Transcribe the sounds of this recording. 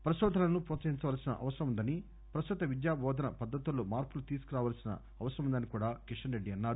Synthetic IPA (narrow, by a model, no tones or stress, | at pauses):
pɾɐʃɔːd̪ʱɐnɐnupuːt͡sɐɦiɲt͡ʃɐʋaːlsinɐ̰ʔɐ̰ʋɐsɐɾɐmund̪ɐni | pɾɐst̪ut̪ɐʋid̪jaːbɔːd̪ʱɐnɐpɐd̪ːɐt̪ulːoːmaːɾpulut̪iːsu̥kuɾaːʋaːlsinɐ̰ | ɐʋɐsɐɾɐmund̪ɐnikuːɽaːkiʂɐnɾeɖːiɐnːaːɾu